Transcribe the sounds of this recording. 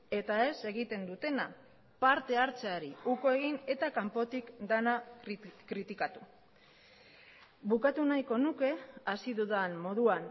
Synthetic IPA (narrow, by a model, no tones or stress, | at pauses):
e̞t̪ae̞se̞ɣ̞it̪e̞nd̪ut̪e̞na | paɾt̪e̞aɾt͡seaɾiuko̞e̞ɣ̞ine̞t̪akampo̞t̪ikd̪anakɾit̪ikat̪u | βukat̪unajko̞nuke̞asiðuðanmo̞ðuan